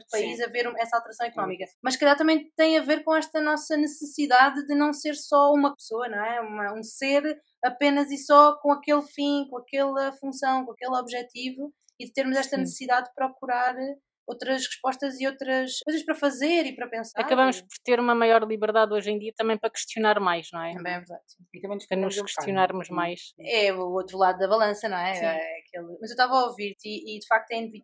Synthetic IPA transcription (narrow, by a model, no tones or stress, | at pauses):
pɐizɐveɾũɛsɐalˠt̪ɨɾɐsɐ̃w̃ikunɔmikɐmɐʃskɐʎaɾt̪ɐmɐ̃j̃t̪ɐ̃j̃ɐveɾkõɛʃt̪ɐnɔsɐnɨsɨsiðaððɨnɐ̃w̃seɾsɔumɐpsoɐnɐ̃w̃ɛumɐũseɾ | ɐpenɐzisɔkõɐkelˠfĩkõɐkɛlˠɐfũsɐ̃w̃kõɐkelˠɔβʒɛt̪ivu | iðɨt̪eɾmuzɛʃt̪ɐnɨsɨ̥siðaðd̪pɾɔkuɾaɾ | owt̪ɾɐʃʁɨʃpɔʃt̪ɐziowt̪ɾɐʃkojzɐʃpɾɐfɐzeɾipɾɐpẽsaɐɾkɐβɐmuʃpɔɾt̪eɾumɐmajɔɾlˠiβɨɾðaðojʒẽd̪iɐt̪ɐmɐ̃j̃pɾɐkɨ̥ʃt̪junaɾmajʃnɐ̃w̃ɛɐ̃mbɐ̃j̃ɛvɨɾðað | it̪ɐmɐ̃j̃npɾɐnuʃkɨʃt̪junaɾmuʒmajʃɛuot̪ɾulˠaðuðɐβɐlˠɐ̃sɐnɐ̃w̃ɛɛɐkelˠmɐzewt̪avaoviɾt̪iːd̪ɨfak̚t̪ɛ̃j̪̃vi